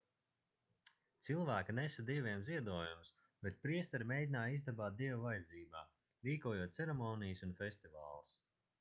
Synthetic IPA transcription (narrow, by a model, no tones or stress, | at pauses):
t̪silˠvæːkinɛsad̪ivʲiɛmziɛd̪uɔjums | bɛt̪̚pɾiɛst̪ɛɾimʲejd̪ʲinaːjizd̪abaːt̪̚d̪iɛvvajɛd̪ziːba̰ː | ɾiːkuɔjɔːt̪t̪sɛɾɛmɔːnijəsunfʲesʲt̪iva̰ːlˠs